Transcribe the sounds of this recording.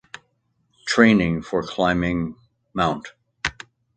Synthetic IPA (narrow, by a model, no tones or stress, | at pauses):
tʰɹ̥ẽɪ̃nɪ̃ŋfə˞kʰl̥ãɪ̃mɪ̃ŋ | mãʊ̃nt